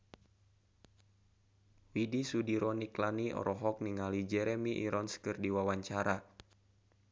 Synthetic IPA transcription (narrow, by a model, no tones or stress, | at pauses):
widisudiɾɔniklaniʔɔ̰ɾʔɔɦɔk̚niŋalid͡ʒɛɾɛmiʔḭɾɔnskɨrdiwawaɲt͡ʃaɾa